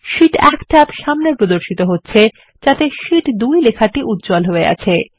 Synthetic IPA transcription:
ʃiʈɛkʈɛpʃamnepɾod̪oɾʃit̪oɦotːɕʰe | d͡ʑat̪eʃiʈd̪ujlekʰaʈiʔut̪̚d͡ʑolɦoea̰t͡ɕʰe

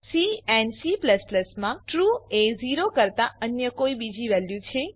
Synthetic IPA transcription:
siɛnsipləspləsmãʈɾueziɾokəɾt̪aənjəkoibid͡ʒiʋɛljũt͡ʃʰe

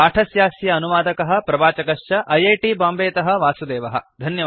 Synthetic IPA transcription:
aːʈʰɐsjaːsjɐːnuʋaːd̪ɐkɐɦɐ̆pɾɐbaːt͡ʃɐkɐʂjɐʔɐjɐjʈiːbaːmbeːt̪ɐɦɐ̆ʋaːsud̪eːʋɐɦɐ̰̆d̪ʱɐnjɐ

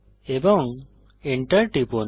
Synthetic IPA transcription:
ebɔŋ | iɳʈəɾʈipon

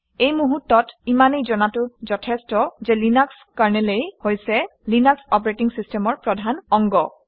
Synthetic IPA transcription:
ejmuɦutːɔtimanejzɔnatʊzɔtʰɛstɔzɛlinaks | kaɹnɛlejhojsɛlinaksɔp̬ɔɹetiŋsistʰɛmɔɹpɹɔdʱanɔŋɡɔ

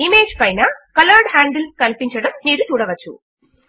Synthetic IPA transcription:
imeːd͡ʒpɐjnɐkɐlɐɾɖhaːɳɖilkɐlpiɲt͡ʃɐɽɐmniːɾut̪uːɽɐʋɐt͡ʃːṵ

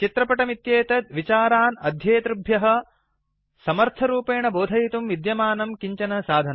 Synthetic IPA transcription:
t͡ʃit̪ɾɐpɐʈɐmit̪jeːt̪ɐd̪̚ʋit͡ʃaːɾaːnɐd̪ʱjɐːt̪ɾɐbʱjɐɦɐ̆ | sɐmɐɾt̪ʰɐɾuːpeːɳɐboːd̪ʱɐjit̪umʋid̪jɐmaːnɐmkiɲt͡ʃɐnɐsaːd̪ʱɐn

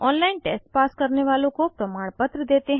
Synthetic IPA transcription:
ɔːnlaːɪnʈḛːsʈpaːskəɾneʋaːlõkopɾəmaːɳ̃pət̪ɾəd̪eːt̪eɦ

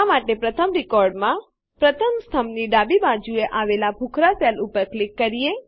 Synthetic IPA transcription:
amaʈepɾət̪ʰəmɾɪkɔɾɖmã | pɾət̪ʰəmst̪ʰəmniɖabibad͡ʒueʔaʋelabʱukʰɾasɛlupəɾklɪkːəɾije

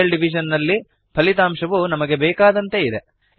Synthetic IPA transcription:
ɐlɖiʋiʃɐnːɐlːi | pʰɐlit̪aːmʃɐʋunɐmɐɡe̞bɛːkaːd̪ɐnt̪e̞id̪e

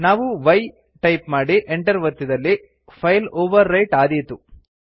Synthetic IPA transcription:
naːʋuʋɐj | ʈɐjpmaːɽiʔeɳʈɐɾʋɐɾt̪ːid̪ɐlːi | pʰɐjloːʋɐɾːɐjʈaːd̪ijt̪u

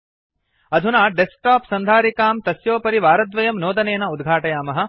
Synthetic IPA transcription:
ɐd̪ʱunaːɖesʈaːpsɐnd̪ʱaːɾikaːmt̪ɐsjoːpɐɾiʋaːɾɐd̪ʋɐjɐmnoːd̪ɐneːnɐud̪ɡʱaːʈɐjaːmɐɦɐ̆

